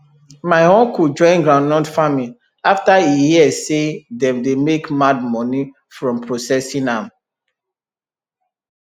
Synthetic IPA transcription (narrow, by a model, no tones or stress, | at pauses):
maɪhõnkud͡ʒɔ̃ɪ̃nɡɹãnːɔdfami | aftaijiɛsedɛ̃mdemekmad̚mɔ̃ni | fɹɔ̃mpʰɹosɛsĩnãm